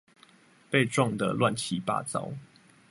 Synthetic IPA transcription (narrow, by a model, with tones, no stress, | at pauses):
pe˥˨ɪʈ͡ʂwɑ˥˨ŋd̪ə˨lwa˥˨nt͡ɕʰi˨˦pa̰˥˨t͡sɑ̰˦ʊ